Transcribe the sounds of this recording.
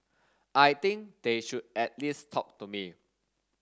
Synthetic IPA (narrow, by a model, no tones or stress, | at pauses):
ʔajt̪ĩŋkd̥eʃud̚ɛt̚listʰɔk̚tumi